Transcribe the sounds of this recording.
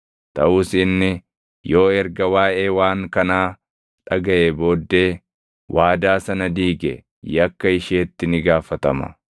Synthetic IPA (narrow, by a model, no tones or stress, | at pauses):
t̪ɐʔuːsɪnːɪ | jo̞ːɛɾɡɐwaːʔeːwaːŋkɐnaː | ᶑɐɡɐʔeːbo̞ːd̪ːe̞ː | wʔaːd̪aːsɐnɐd̪iːɡɛ̰ | jɐkːɐɪʃeːt̪ːɪnɪɡaːfɐt̪ɐmɐ̰